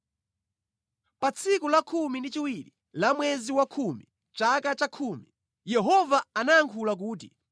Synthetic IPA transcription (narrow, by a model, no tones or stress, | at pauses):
pat͡sʰikulakʰumindit͡ʃiwiɾi | lamwɛziwakʰumi | t͡ʃakat͡ʃakʰuːmi | jɛɦɔvaanajaŋkʰulak̬uːt̬ḭ